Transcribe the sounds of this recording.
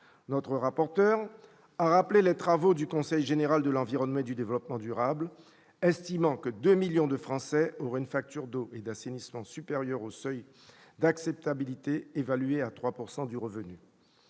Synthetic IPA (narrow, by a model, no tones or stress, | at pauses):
nɔt̪χəʁapɔʁt̪œʁ | aʁaplelet̪χavod̪ykɔ̃sɛjʒeneʁald̪əlɑ̃viʁɔnmɑ̃ed̪yd̪evlɔpmɑ̃d̪yʁabl | ɛst̪imɑ̃kəd̪ømiljɔ̃d̪əfχɑ̃sɛɔʁɛynfak̚t̪yʁd̪oʔed̪asenismɑ̃sypeʁjœʁosœj | d̪aksɛp̚t̪abilit̪eːvalyeat̪χwapuʁsɑ̃d̪yʁəvəny